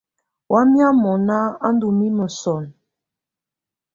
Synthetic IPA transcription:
wʔa˦mja˦mɔ˨na˦a˦n˦du˨mi˦mə˨sɔ˨n

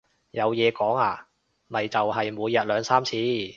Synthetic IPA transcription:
jɐ˨˧wjɛː˨˧kɔː˨˥ŋaː˧ | mɐ˨jt͡sɐ˨wɦɐ˨jmuː˨˧jːɐ˨t̚lœː˨˧ŋsaː˥mt͡sʰiː˧

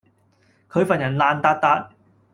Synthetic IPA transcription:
kʰɵ˨˧ɥfaː˨˩njɐ˨˩nlaː˨nt̪aː˧t̚t̪aː˨˧t̚

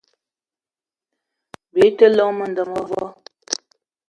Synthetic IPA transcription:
be˨˦tə˦lɔ˦ŋmə˨n˨də˨mɔ˦vɔ˦

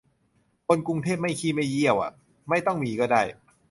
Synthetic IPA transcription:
kʰo˧nku˧ŋt̪ʰeː˥˩p̚ma˥˩jkʰiː˥˩ma˥˩jːi˥˩əwʔa̰˨˩ | ma˥˩jt̪ɔ˥˩ŋmiː˨˦kɔː˥˩daː˥˩j

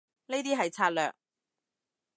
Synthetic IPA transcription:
ne˥t̪iː˥ɦɐ˨jt͡sʰaː˧˥t̚lœ̰ː˨k̚

